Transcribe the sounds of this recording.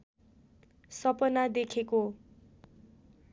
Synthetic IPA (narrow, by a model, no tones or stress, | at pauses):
sʌpʌnad̪ekʰeko